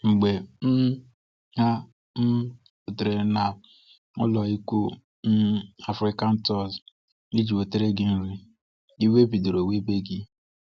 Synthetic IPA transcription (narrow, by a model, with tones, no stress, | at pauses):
ŋ͡m̩˨ɡ͡be˨n̩˦ | ha˦ | n̩˦ | o˨te˨ɾe˨na˨ | ʊ̰˦lɔ˨i˦kʷu˦ | n̩˦a˨fɾɪ˦ka˦n̩˦tɔ˦z | ni˦d͡ʒi˨o˨te˦ɾe˦ɡɪ˦n̩˦ɾi˦ | i˦we˦bi˨do˨ɾo˨we˦be˦ɡɪ˦